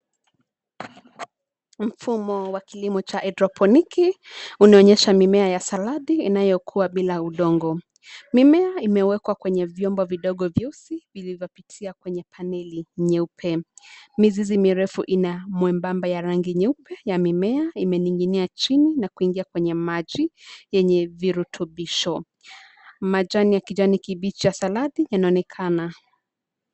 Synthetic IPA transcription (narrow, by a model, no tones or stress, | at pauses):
m̩fumɔwakilimɔt͡ʃaʔɛdɾɔpʰɔnikiunaɔɲɛʃamimɛajasalaðiinajɔkʰuaɓilauɗɔŋɡɔ | mimɛaimɛwɛkwakwɛɲɛvjɔmbɔviɗɔɠɔvjusivilivjɔpitʰiakwɛɲɛpʰanɛliɲɛupʰɛmizizimiɾɛfuʔinamwɛmbambajaɾaŋɡiɲɛupɛjamimɛaimɛniŋɡiniat͡ʃininakuiŋɡiakwɛɲɛmaʄijɛɲɛviɾutʰuɓiʃɔ | mad͡ʒaniakid͡ʒanikiɓit͡ʃijasalaðijanaɔnɛkʰana